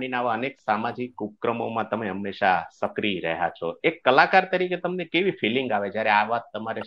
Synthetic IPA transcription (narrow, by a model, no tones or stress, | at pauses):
ɽ̃inaʋaəneksamad͡ʒikːup̚kɾəmo̰mãt̪əmeɦəmːeʃasəkɾiɾə̰ɦja̰t͡ʃʰo̰ekːəlakaɾt̪əɾiket̪əmnekeʋifiliŋɡaʋed͡ʒjaɾeaʋat̪ːəmaɾe